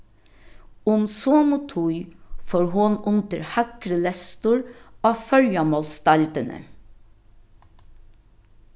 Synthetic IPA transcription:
ʊmsoːmʊt̪ʰujfoːɹɦʊnʔʊnt̪əɹhɑkɾəlɛst̪ʊɹɑːfœɹjɑmɔlst̪ɑlt̪ənə̰

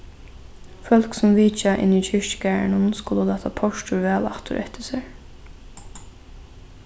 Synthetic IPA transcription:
fœlksɔmʋiːt͡ʃaʔɪ̰nit͡ʃʰɪɹcɡæːɹɳənskʊləlɑːt̪ʰapʰɔʃtʊɹʋɛːla̰kt̪ʊ̰ɾʔɛ̰ht̪ʰɪsɛɹ

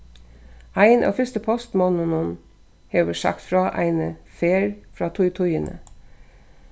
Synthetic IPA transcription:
æɪnʔɑ̰ːfʏst̪əpʰɔst̪mɔnənən | heːʋəʃɑ̰kt̪fɾɑːʔæ̰ɪnəfeːɾfɾɑːt̪ʰʊʏt̪ʰʊʏənʔə̰

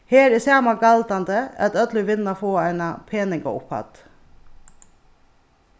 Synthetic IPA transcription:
heːɾɛsæːmɑɡɑld̪ɑnd̪əɑ̰t̪œd̪lɪʋɪnɑfoːæɪnɑpʰeːnɪɡɑ̰ʊ̰phɑ̰d̪̥

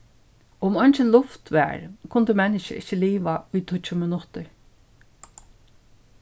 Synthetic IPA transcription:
ʊmɔɲnt͡ʃəlʊft̪ʋɛ̰ːɹkʰʊnd̪əmɛnɪʃə̰ʔɪ̰t͡ʃːəliːʋaʊjt̪ʰʊt͡ʃʊmɪnʊt̪əɹ

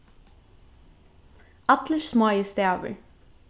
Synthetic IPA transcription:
ɑt̪ləɹsmɑːjəst̪æːʋə̰ɹ

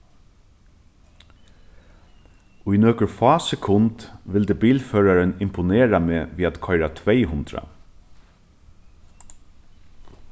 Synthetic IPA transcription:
ʊjnøːkʊɹfɑːsɛkʰʊnt̪ʋɪld̪ɛbiːlføːɾaɾənɪmpʊneːɾameːʋiːat̪kʰɔʏɾat̪ʰʋɛɪɦʊnd̪ɾa̰

